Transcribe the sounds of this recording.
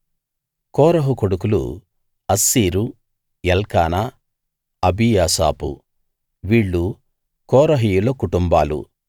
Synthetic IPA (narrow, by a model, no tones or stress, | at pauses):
kɔːɾɐɦukoɽukulṵ | ɐsːiːɾu | jɛlkaːna | ɐbijaːsa̰ːpṵ | ʋiːɭːu | kɔːɾɐɦijuloːkuʈumbaːlṵ